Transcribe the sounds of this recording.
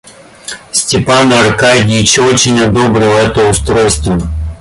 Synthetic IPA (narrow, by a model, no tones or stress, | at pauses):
sʲtʲɪpanɐrkajdʲɪt͡ɕot͡ɕɪnʲɐd̪obɾʲɪlˠɛt̪əʊst̪ɾojst̪və